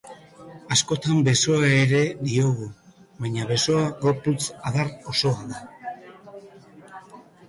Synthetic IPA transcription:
asko̞t̪ambe̞so̞aeɾe̞ðio̞ɣuβajɲaβe̞so̞aɣo̞ɾput͡saðaro̞so̞aða

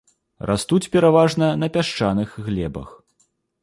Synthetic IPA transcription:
rʔa̰st̪ut͡sʲpʲɛɾavaʐnɐnɐpʲaʂt͡ʂanɨxɣlʲɛbɐ̰x

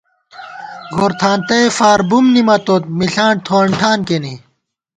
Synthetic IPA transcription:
ɡoɾt̪ʰaːnt̪ɐefaːɾbumnimɐt̪ot̪̚miɬaːɳt̪ʰoːɳʈʰaːnkeni

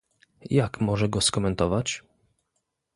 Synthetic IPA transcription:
jakmɔʐɛɡɔskɔmɛnt̪ɔvat͡ɕ

